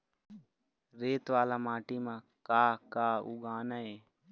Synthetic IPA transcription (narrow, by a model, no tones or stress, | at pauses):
ɾeːt̪ʋaːlaːmaːʈiːmã | kaːkaːuɡaːnaeː